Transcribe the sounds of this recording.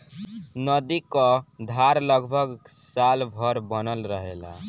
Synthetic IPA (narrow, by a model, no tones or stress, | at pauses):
nəd̪ikɔd̪ʱaɾləɡbʱəɡsalbʱəɾbənəlɾəɦela̰